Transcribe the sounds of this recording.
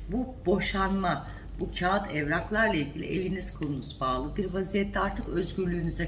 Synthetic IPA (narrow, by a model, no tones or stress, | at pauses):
bubo̞ʃanma | bucʰaːat̪ʰɛvɾaklˠaɾlˠailʲɟʲilʲḭʔe̞lʲiniz̥kʰɯlˠunuzbaːlˠɯbiɾvazijɛt̪ʰːɛaɾt̪ʰɯkøzɟyɾlʲyːnyzɛ